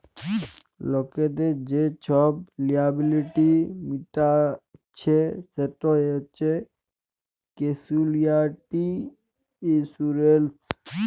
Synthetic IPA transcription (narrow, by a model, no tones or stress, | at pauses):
lɔked̪ed͡ʒet͡ʃʰɔblijabiliʈimiʈat͡ʃʰeseʈɔet͡ʃe | kesuliaʈiː | suɾels